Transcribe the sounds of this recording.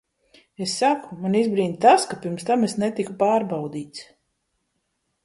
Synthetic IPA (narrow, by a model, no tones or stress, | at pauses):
esːakumanizbɾiːnt̪askapʲiɾmst̪amesnɛt̪ikupaːɾbawd̪iːt̪s